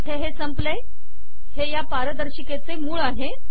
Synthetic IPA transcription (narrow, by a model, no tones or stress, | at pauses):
ʈ̪ʰeɦesəmple | hejapaɾəd̪əɾɕiket͡semuːɭaɦe